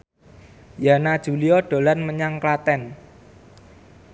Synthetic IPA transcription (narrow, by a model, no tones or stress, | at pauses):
janad̥ʒ̥ṳliɔɖ̥o̤lanməɲaŋklat̪ɛn